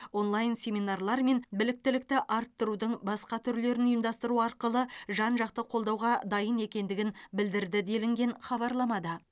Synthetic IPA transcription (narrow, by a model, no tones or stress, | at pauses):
wo̞nlˠɑjnsʲe̞mʲinɑrlˠɑɾme̞nbɪlɪk̚t̪ɪlɪk̚t̪ɪʔɑɾt̪ːəɾud̪əɴbɑsqɑt̪ʰʏɾle̞ɾɪnʊjəmd̪ɑst̪əɾuɑɾqəlˠəʒɑnʒɑqt̪əqʰo̞lˠd̪ɑwʁɑd̪ɑjəne̞kʲe̞nd̪ɪɡʲɪnbɪld̪ɪɾd̪ɪd̪e̞lɪŋɡʲe̞nχɑbɑɾlˠɑmɑd̪ə